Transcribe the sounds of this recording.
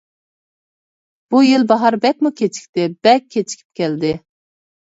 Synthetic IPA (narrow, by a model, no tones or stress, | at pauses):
b̥ujilbɑɦɑɾbɛk̚ʲmukʲʰet͡ʃʰi̥kʲt̪ɪb̥ɛk̚ʲʰːet͡ʃʰi̥kʲʰi̥p̚kʲʰɛld̪ɪ